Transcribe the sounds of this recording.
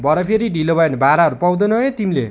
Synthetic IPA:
bʱʌɾʌpʰeɾiɖilobʱʌenʌbʱaɾaɦʌɾupʌwd̪onʌẽt̪imile

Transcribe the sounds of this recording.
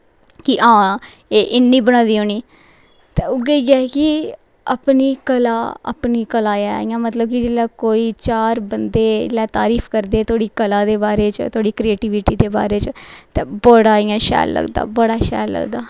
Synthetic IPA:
kɪʔãː | eːʔɪnːiːbəñãːd̪iːɦoːniː | t̪eːʊɡeɡɪakɪ | ə̰pniːkəlaːə̰pniːkəlaːja̰ːɪjãːmət̪ləb̚kɪd͡ʒeːlaːkoːiːt͡ʃaːɾbənd̪ḛːlɛːt̪a̰ːɾiːfʰkəɾd̪eːt̪oːɽiːkəlãːd̪eːbaːɾeːt͡ʃə̰t̪ʰoːɽiːkɾieːʈiːʋɪʈiːd̪eːba̰ːɾeːt͡ʃət̪eːbəɽaːiːãːʃɛ̰ːlːə̰ɡd̪a̰ːbəɽaːʃɛ̰ːlːə̰ɡd̪aː

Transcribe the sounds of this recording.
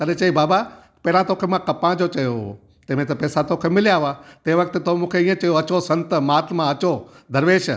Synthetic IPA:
t̪ɐɾet͡ʃɐibaːba | pɛːɾãt̪oːkʰemãkɐpãd͡ʑot͡ʃɐjoɦo | t̪emẽt̪ɐpɛːsat̪okʰemɪlijaɦoat̪eːʋɐk̚t̪et̪omũːkʰeĩːẽt͡ʃɐjoɐt͡ɕosɐ̃nt̪maːt̪ʰmãɐt͡ʃo | d̪ʱɐɾʋeːʃ

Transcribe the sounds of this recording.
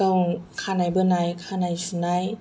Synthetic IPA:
awkʰaːnajbɯnajkʰaːnajsunaj

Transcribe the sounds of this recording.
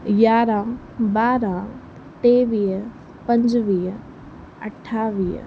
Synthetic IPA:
jaːɾaː | baːɾa | t̪eːʋiːɦə | pɐ̃ɲd͡ʒʋiːə | ɐ̰ʈʰːaːʋḭː

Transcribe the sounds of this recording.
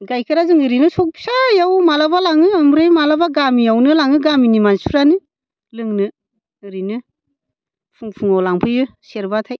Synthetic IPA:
ɡajkʰɯɾazɯŋɯɾinɯsɔk̚bi̥sajawmalabalaŋɯamɾɯjmalabaɡamijawnɯlaŋɯɡaminimansuɾanɯ | lɯŋnɯː | ɾinɯ | pʰuŋpʰuŋawlaŋpʰɯjɯseɾbatʰaj

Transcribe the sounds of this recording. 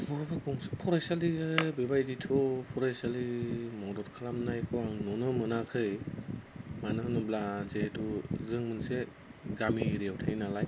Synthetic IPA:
bɔbakɔŋspʰɔɾasalibebajditʰɔpʰɔɾajsalimɔdɔtkʰalamnajkʰɔaŋnɔnɯmɯnakʰɯj | manɯŋnɯblazetʰuzɯŋmɯnse | ɡamiɾeawtʰajnalaj

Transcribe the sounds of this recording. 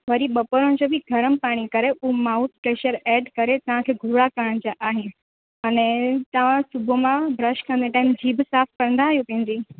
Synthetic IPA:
ʋɐɾiɓɐpoɾəñɪd͡ʑoːbʱɪɡʱɐɾənɪ̆paːɽ̃ikɐɾeʔʊɦumaːut̪̚pɾeːɕəɾɛːɖkɐɾet̪ɐʋ̤ãkʰeːɡʱʊɭakɐɾəəñd͡ʑaʔaːɦɪnɪ | ɐnɛ̃t̪ɐʋ̤ãsʊbʱomãbɾɐʃkɐ̃nd̪eʈaːɪmd͡ʑiːbsaːfkɐɾə̃n̆d̪aːɦijũp̪ĩɦɪ̃n̆d̪iː

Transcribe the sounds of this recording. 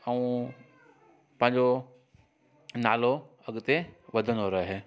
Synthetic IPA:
ɐũ | pɐ̃ɦɪ̃ɲd͡ʑo | naːlo | ɐɠt̪eʋɐd̪ʱənoɾɐɦeɦeː

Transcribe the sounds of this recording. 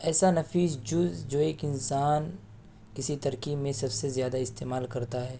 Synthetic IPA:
ɛːsanɐfiːzd͡ʒʊzd͡ʒoːeːkɪnsaːn | kɪsit̪ɐɾkiːbmẽsɐbsezjaːd̪aɪst̪eːmaːlkɐɾt̪aɦɛː

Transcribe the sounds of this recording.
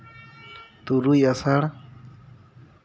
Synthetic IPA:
t̪uɾujasaɽ

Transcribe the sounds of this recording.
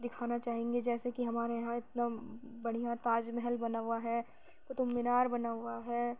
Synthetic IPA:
d̪ɪkʰaːnat͡ʃaːɦẽːŋɡed͡ʒɛːsekiɦɐmaːɾeɦãɪt̪nabɐɽ̤ijat̪aːd͡ʒmɛɦɛlbɐnaːʊaɦɛ | t̪ot̪ʊmːɪnaːɾbɐnaːaɦɛ

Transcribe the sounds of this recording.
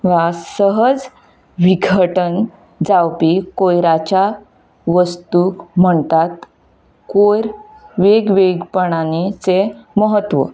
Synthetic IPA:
ʋasəɦəd͡z | ʋiɡʱəʈən | d͡zawpikojɾat͡ɕa | ʋəst̪ukm̤əɳt̪at̪ | kojɾ | ʋeɡʋeɡpəɳ̃anit͡seməɦət̪ːʋə̰

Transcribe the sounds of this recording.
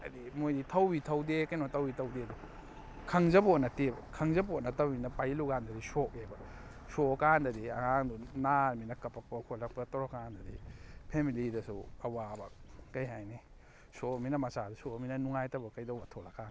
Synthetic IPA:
ɐ̰dimojditʰɐwbitʰɐwdekɐjnotʰɐwitʰɐwdedu | kʰɐŋzɐbotnɐtebɐkʰɐŋzɐbotnɐtɐbminɐpajluɡandɐdisok̚ebɐ | sokandɐdiɐ̰haŋdunaɾminɐkɐpɐk̚pɐkʰolɐk̚pɐtɔɾokandɐdipʰemilidɐsuɐwabɐkɐjɦajne | sokminɐmɐsadɐsokminɐnuŋajtɐbɐkɐjdɐwbɐtʰolakʰan

